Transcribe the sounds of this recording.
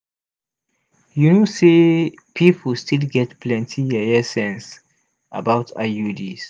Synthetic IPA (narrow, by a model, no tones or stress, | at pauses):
junose | pʰipʰstilɡɛtpʰlɛ̃ntʰijɛɛsɛ̃ns | a̰baʊtʰa̰judis